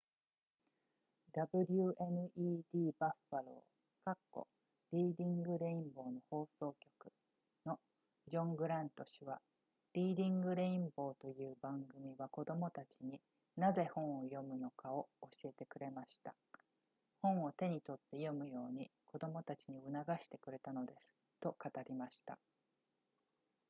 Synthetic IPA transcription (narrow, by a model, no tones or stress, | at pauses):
d̪abɯ̟ɾʲɯʔe̞nɯ̟ʔiːd̪̥ʲiːbaɸaɾo̞̰ | kakːo̞̰ | ɾʲiːd̪ʲĩŋɡɯ̟ɾe̞ĩmbo̞ːno̞ho̞ːso̞ːkʲo̞̥kɯ̟̥ | no̞ | d͡ʑõ̞ŋɡɯ̟ɾãnt̪o̞ɕiβa | ɾʲiːd̪ʲĩŋɡɯ̟ɾe̞ĩmbo̞ːt̪o̞jɯ̟ːbãŋɡɯ̟mʲiβako̞d̪o̞mo̞t̪at͡ɕiɲ̟i | naze̞hõ̞ɰ̃ojo̞mɯ̟no̞kao̞oɕie̞t̪e̞kɯ̟ɾe̞maɕi̥t̪a | hõ̞ɰ̃o̞t̪e̞ɲ̟it̪o̞t̪ːe̞jo̞mɯ̟jo̞ːɲ̟iko̞d̪o̞mo̞t̪at͡ɕiɲ̟iɯ̟naɡaɕi̥t̪e̞̥kɯ̟ɾe̞t̪ano̞d̪e̞sɨ̥ | t̪o̞kat̪aɾʲimaɕi̥t̪a̰